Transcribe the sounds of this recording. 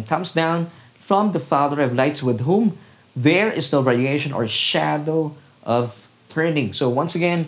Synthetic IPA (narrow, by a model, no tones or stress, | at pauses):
nkʰʌ̃msdãʊ̃n | fɹʌ̃mðəfaðə˞ʌvlaɪtswɪðɦũm | ðəɹɪznoʊɹɛɹieɪʃə̃nɔ̰˞ʃædoʊ | ʔʌv̥ | t̪ʰɜ̃nɪ̃ŋsoʊwʌ̃nsɨɡɛ̃n